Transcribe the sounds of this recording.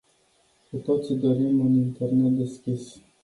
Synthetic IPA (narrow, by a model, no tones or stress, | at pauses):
kut̪ot̪sid̪oɾimɨnint̪ernet̪̚d̪eskʲis